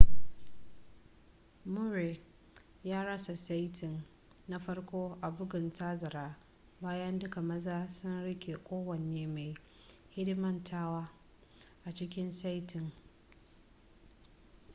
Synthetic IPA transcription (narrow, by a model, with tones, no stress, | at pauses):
mʊ˦ɾe˨ | jaː˦ɽɐ˦sa˨sa˦jtʰɪ˨ŋ | na˦ɸɐ˦ɽkʷoː˦ʔa˨bʊ˦ɡɪ˨ntaː˦zɐ˨ɾaː˦ | baː˦jɐ˦ndʊ˦ka˨mɐ˦zaː˦sʊ˦nɽɪ˦kʲe˨kʷʼoː˦wɐ˨neː˦ma˨j | hɪ˦dmɐ˦ntʰaː˦waː˦ | ʔa˨t͡ʃɪ˦kʲɪ˦nsa˦jtʰɪ˨ŋ